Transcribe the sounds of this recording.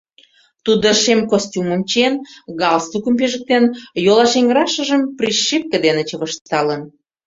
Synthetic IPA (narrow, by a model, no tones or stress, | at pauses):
t̪ud̪oʃemkosʲtʲumə̆mt͡ɕenɣɑlst̪ukə̆mpeʒə̆k̚t̪enjolɑʃeŋɡɾɑʃə̆ʒə̆mpriʃːip̚kə̆d̪enĕt͡ɕəβə̆ʃt̪ɑlən